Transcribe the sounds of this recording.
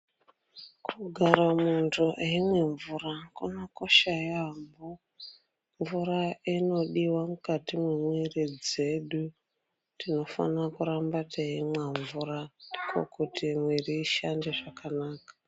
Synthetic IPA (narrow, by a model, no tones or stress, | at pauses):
kʰuɡʱaɾamuntʰuʔeimwe̞ɱvurakunako̞ʃajambo | ɱvuɾaino̞ɗiwamukatimwemwerid͡ze̞ɗu | tino̞fa̰nakuɾambatʰeimwaɱvuɾandikʰo̰kutimweriːʃande̞ʐakanaːkḁ